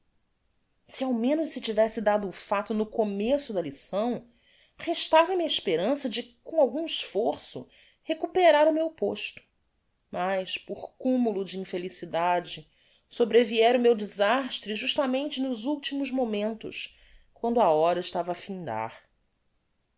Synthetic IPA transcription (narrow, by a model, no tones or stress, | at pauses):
siawmẽnʊʃsɪt͡ʃivɛsɪd̪ad̪ʊːfat̪ʊnʊkomesʊd̪ɐlisɐ̃w̃ | heʃt̪avɐmiɐiʃpeɾɐ̃sɐd͡ʒɪkõawɡũiʃfoɾsʊ̰ | hekupeɾaɾʊmewpoʃt̪ʊ̥ | majʃpoχkũmulʊd͡ʒiĩfelisid̪ad͡ʒɪ | sobɾeviɛɾʊmewd͡ʒizaʃt̪ɾɪʒuʃt̪ɐmẽnt͡ʃɪnʊzuwt͡ʃimʊzmomẽnt̪ʊ̰ʃ | kwɐ̃nd̪ʊaɔɾɐiʃt̪avɐːfĩnd̪a̰ɾ